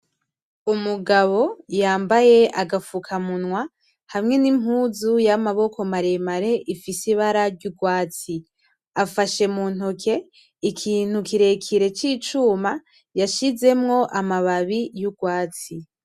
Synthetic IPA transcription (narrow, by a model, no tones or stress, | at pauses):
umuɡaβo̞jaːmbaje̞ʔaɡafukʰamunŋwa | hamŋe̞nimhuːzujamaβo̞ko̞maɾemaɾe̞ʔifisiβaɾaɾɟuɡwaːt͡si | afaʃe̞muːn̥hokʰe̞ | ikʰiːn̥hukiɾe̞kʰiɾe̞t͡ʃiːt͡ʃuːma | jaʃize̞mŋo̞ʔamaβaβijuɡwaːt͡si